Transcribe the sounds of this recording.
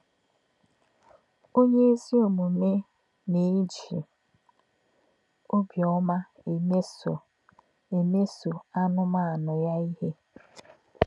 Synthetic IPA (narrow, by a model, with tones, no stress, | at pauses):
o˦ɲe˦e˦zi˦o˨mu˨me˦ | ne˨e˦d͡ʒi˨ | o˦bjɔ˦ma˦˨˦ | e˨me˦so˨a˦nʊ˦ma˦˨a˨nʊ˨ja˦i˦he˦